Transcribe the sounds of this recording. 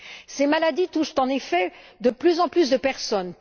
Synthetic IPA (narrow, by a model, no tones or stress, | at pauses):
semalad̪it̪uʃt̪ɑ̃nefɛd̪əplyzɑ̃plys̬d̪əpɛʁsɔn